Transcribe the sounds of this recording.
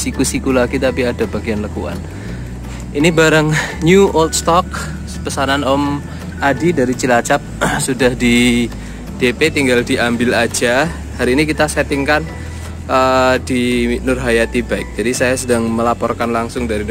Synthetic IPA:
sikusikulaɡit̪apiadabaɡianləkṵa̰n | ʔinibaɾaŋɲuʔɔlt̪st̪ɔk̚ | pəsananɔm | ʔadidaɾit͡ʃilat͡ʃap̚sudahdi | d̥epet̪iŋɡaldiʔambɪlad͡ʒa | haɾiːnikit̪asɛt̪ɪŋkan | ʔədinʊrɦajat̪ibaɪk̚d͡ʒ̥adisajasədaŋməlapɔrkanlaŋsʊŋdaɾi

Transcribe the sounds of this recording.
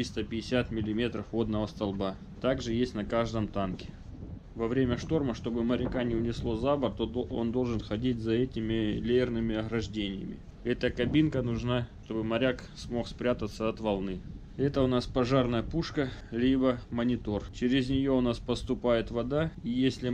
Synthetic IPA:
t̪ɾʲist̪əpʲɪɪsʲat̪mʲɪlʲɪmʲe̞t̪ɾəfvo̞d̪nəvəst̪ɐlˠba | t̪aɡʐɨjesʲtʲnɐkaʐd̪əmt̪ankʲɪ̥ | vɐvɾʲemʲəʂt̪o̞rməʂt̪o̞bɨmɐɾʲɪkanʲɪʊnʲɪslˠo̞zabərt̪oo̞̰nd̪o̞lˠʐɨnxɐdʲitʲzɐɛtʲɪmʲɪlʲeɪrnɨmʲɪɐɣɾɐʐdʲenʲɪjə̰mʲɪ̰ | ɛt̪əkɐbʲinkənʊʐnaʂt̪o̞bɨmɐɾʲaksmo̞xspɾʲat̪ət̪sːəɐt̪vɐlˠnɨ | ɛt̪əʊnaspɐʐarnəjəpuʂkəlʲibəmənʲɪt̪o̞rt͡ɕɪɾʲɪzʲnʲɪjo̞ʊnaspəst̪ʊpajɪt̪vɐd̪aijesʲlʲɪ

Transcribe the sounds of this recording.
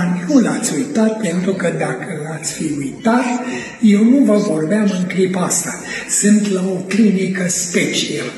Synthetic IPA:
nulat̪sʲujt̪at̪̚pe̞nt̪ɾukəd̪akəlat̪sʲfiujt̪at̪ | je̞wnuvəvo̞rbeamɨŋklipaast̪a | sɨnt̪laoklinikəspet͡ʃial

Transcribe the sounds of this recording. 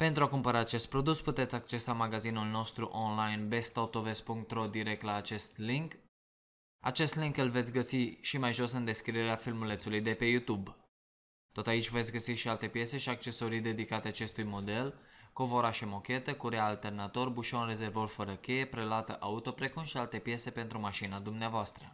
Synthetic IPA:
pe̞nt̪ɾuakumpəɾaːt͡ʃe̞st̪̚pɾo̞d̪usput̪e̞t̪sʲak̚t͡ʃe̞samaɡazinulno̞st̪ɾuʔonlajnbe̞st̪aut̪o̞ve̞spuŋk̚t̪ro̞d̪iɾe̞k̚t̪laːt͡ʃe̞st̪liŋk | a̰t͡ʃe̞st̪liŋkɨlve̞t̪sʲɡəsiʃimajʒo̞sɨnd̪e̞skɾid̪e̞ɾeafilmule̞t̪sulujd̪e̞pe̞jut̪ub | t̪o̞t̪ait͡ʃʲvet̪sʲɡəsiʃialt̪e̞pje̞se̞ʃiak̚t͡ʃe̞so̞ɾid̪e̞d̪ikat̪eat͡ʃest̪ujmo̞d̪e̞lko̞vo̞ɾaʃemo̞kʲe̞t̪əkuɾealt̪e̞rnat̪o̞rbuʃo̞nre̞ze̞rvo̞rfəɾəkʲe̞jepɾe̞loat̪əʔaut̪o̞pɾe̞kumʃialt̪e̞pje̞se̞pe̞nt̪ɾumaʃinad̪umneavoast̪ɾə

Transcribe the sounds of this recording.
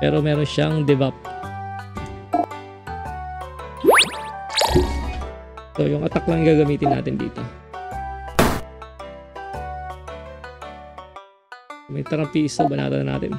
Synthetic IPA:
pɛɾomɛɾɔʃaŋd̪ɛbap̚ | t̪ojʊŋat̪aklaŋɡaɡamit̪ɪnːa̰t̪ɪndḭt̪o | mit̪aɾapisabana̰t̪ana̰t̪ɪn

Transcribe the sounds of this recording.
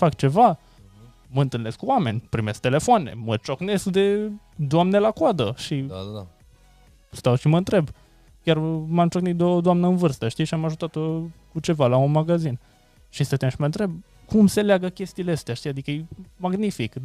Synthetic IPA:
fakt͡ʃe̞va | məɨnt̪ɨlne̞skuwame̞̰nʲpɾime̞sk̚t̪e̞le̞foane̞̰mət͡ʃo̞kne̞skd̪e̞ | d̪oamne̞lakad̪əʃi | st̪awʃiməɨnt̪ɾe̞b | kʲjʲarmamt͡ʃoknit̪d̪od̪oamnəɨnvɨrst̪əʃt̪ijʃiamaʒut̪at̪okut͡ʃe̞valaunmaɡazin | ʃist̪at̪enʃiməɨnt̪ɾe̞b̚ | kumse̞leaɡəkʲe̞st̪iːleəst̪eaʃt̪ijad̪ikəjejmaɡnifik

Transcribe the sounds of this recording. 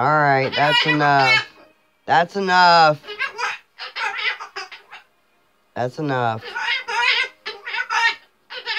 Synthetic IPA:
ɔlˠɹaɪt̪̚ðætsɨnʌf | ðætsɨnʌf | ðætsənʌf

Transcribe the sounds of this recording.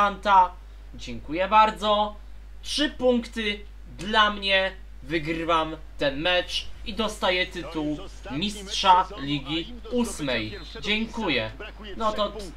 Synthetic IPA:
ant̪a | d͡ʑɛŋkujɛbaɾd̪zɔ | tʂɘpuŋkt̪ɘ | d̪lamɲɛ | vɘɡɾɘvamt̪ɛnmɛt͡ʂid̪ɔst̪ajɛt̪ɘt̪uw | mʲistʂalʲiɡʲi | usmɛj | d͡ʑɛŋkujɛ | nɔt̪ɔ

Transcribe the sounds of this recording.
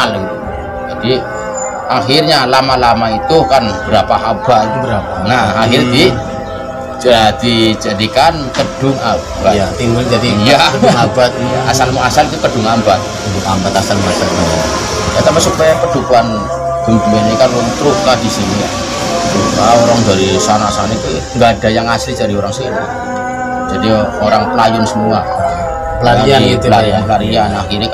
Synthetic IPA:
alit̪u | d͡ʒad̥i | axirɲalamalamait̪ukanb̥əɾapaɦab̥at̪̚bəɾaanahahɪrd̪i | ad̪̥id͡ʒadikankəd̥ʊŋabaat̪iŋɡʊld͡ʒat̪ijakədŋabat̪̚a̰asalmuasalit̪ukəd̥ʊŋambat̪̚ | a̰mbat̪asalmuasalmua | jat̪ampasupajapəd̪̥ukuan | ɡ̥ə̤mbuanɲakalot̪ɾuk̚kad̥i̤sinija | aoɾaŋd̪a̤ɾisanasanit̪u | ŋɡad̥a̤jaŋaslid͡ʒ̥a̤ɾioɾaŋsina̰̥ | d͡ʒ̥ad̥ioɾaŋpəlajʊnsəmua | laaplaɾianplaɾianaxiɾik

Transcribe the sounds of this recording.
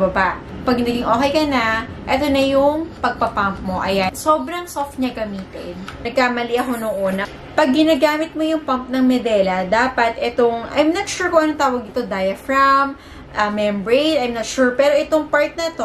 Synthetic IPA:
bɐbaʔ | pɐɡ̚nɐɡɪŋʔoːkɛjkɐnɐʔɛt̪onɐjʊŋpɐɡ̚pɐpamp̚mo̞ʔɐjanso̞ːbɾɐŋsoft̪̚ɲɐɡɐmiːt̪ɪ̰nnɐɡ̚kaːmɐliʔɐko̞noŋʔonɐ | pɐɡ̚ːɪnaːɡaːmɪt̪̚mo̞jʊŋpɐmp̚nɐŋmɛd̪ɛːlɐd̪aːpɐt̪ʔɛt̪oŋʔɐ̰jmnɐt̪ʃuɹkoʔɐnot̪aːwɐɡ̚nɪt̪od̪ajɐfɹɐm | ʔɐmɛmbɹejt̪ɐjmnɐt̪ʃuɹpɛːɾo̞ʔɛt̪o̞ŋpaɹt̪̚nɐt̪o

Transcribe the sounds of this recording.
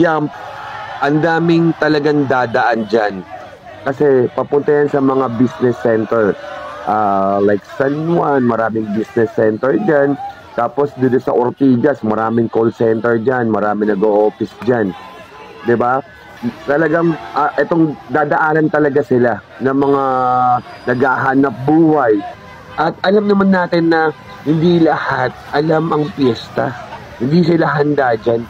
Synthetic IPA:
jam | ʔɐnd̪aːmɪŋt̪ɐlɐɡaŋd̪aːd̪ɐʔand͡ʒan | kɐsɛpɐpʊnt̪ɐjansɐmɐŋabisnɛsːɛnt̪ɛɹʔaːlajk̚sanwanmɐɾaːmɪŋbisnɛsːɛnt̪ɛɹd͡ʒan | t̪aːposd̪ʊnd̪onsɐ̰ʔoɾt̪iːɡɐsmɐɾaːmɪŋkolsɛnt̪ɛɹd͡ʒanmɐɾaːmɪnɐɡoʔoːfɪsd͡ʒan | d̪ɪba | t̪ɐlɐɡaŋʔɐʔɛt̪oŋd̪aːd̪ɐʔaːlɐnt̪ɐlɐɡasɪla | nɐmɐŋa | nɐɡhaːɦaːnɐp̚buːhɐj | ʔɐt̪̚ɐlamnɐmanːaːt̪ɪnːɐ | hɪnd̪ilɐhat̪̚ʔɐlamɐŋpjɛst̪ɐ | hɪnd̪isɪlaɦɐnd̪aːd͡ʒan

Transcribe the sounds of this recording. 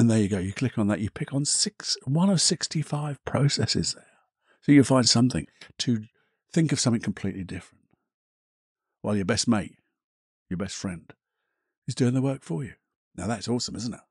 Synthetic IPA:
ɨ̃nðə˞jɨɡoʊjɨkʰl̥ɪkn̩ðə̰ʔɨpʰɪkn̩sɪkswʌ̃nʌv̥sɪkstifaɪv̥pʰɹ̥oʊsɛsɨ̰zðə˞ | soʊjɨfãɪ̃nd̥sʌ̃mθɪ̰̃ŋtʰɨ | θɪ̃ŋkʌv̥sʌ̃mθɪ̃ŋkʰm̩pʰl̥iʔˡlidɪfɹə̃n̩t | waɪlˠjə˞bɛst̚meɪt̚ | jə˞bɛstfɹɛ̃nd̥ | ɨzdʉɪ̃ŋðəwɜ˞kfə˞jʉ | naʊðætsɔˑsə̃mɪzn̩tɪ̰t̚

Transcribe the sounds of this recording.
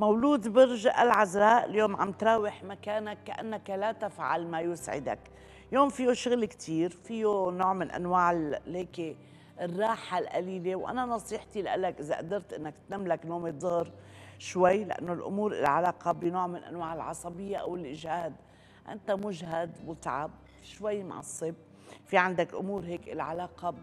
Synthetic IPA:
mawluːd̪bɪɾʒaʔalʕazɾˤɑːʔɪljoːmʕa̰mt̪ɾˤɑːwɪħmakːaːnakːaʔanːakalat̪afʕa̰lmajʊsʕɪ̰d̪a̰k | joːmfijoʃʊɣlkt̪ʰiːɾfijonoːʕmɪnʔa̰nwaːʕɪheːke | rˤːɑːħalʔaliːlewʔa̰nanɑsˤiːħt̪ilʔalːakʔɪzaʔa̰d̪ɑɾˤt̪ʔɪnːakt̪namːlaknoːmed̪ˤʊhɾʃwajːlɪʔa̰nːolʔʊ̰muːɾʔɪ̰lʕalaːqɑbɪnoːʕmɪnʔa̰nwaːʕɪlʕɑsˤɑbɪjːaʔa̰wɪlʔɪʒhaːd̪ | ʔɪ̰nt̪amʊʒɦad̪mʊt̪ʕa̰b̚ | ʃwajːma̰ʕɑ̰sˤːɨb̚ | fiʕand̪akʔʊ̰muːɾɦeːkʔɪ̰lʕa̰laːqɑ

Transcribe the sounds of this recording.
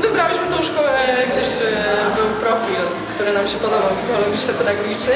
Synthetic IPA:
vɨbɾawʲiɕmɘt̪ɔ̃w̃ʂkɔwɛak̚t̪ɛʂbɘwpɾɔfʲil | kt̪uɾɘnamɕɛpɔd̪ɔbawvʲizxɔlɔɡʲiɕɛpɛd̪aɡɔɡʲit͡ʂnɘ

